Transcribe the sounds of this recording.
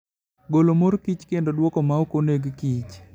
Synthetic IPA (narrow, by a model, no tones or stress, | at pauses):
ɡolomoɾkit͡ʃkendodwɔkɔmaokoneɡkit͡ʃ